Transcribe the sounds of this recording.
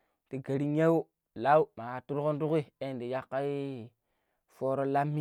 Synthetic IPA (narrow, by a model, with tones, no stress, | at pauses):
ti˨ɡa˨ɾi˦ɲe˦wu˦ | la˦wu˦ma˨a˨tu˦ɾko˦ntu˦ki˦e˦˨ndi˨ja˦kːa˦i˦ | foː˦ɾo˦la˦mːi˦